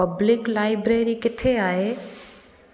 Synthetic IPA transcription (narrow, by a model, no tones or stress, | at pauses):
əblɪklaːɪbɾeːɾikɪt̪ʰeaːe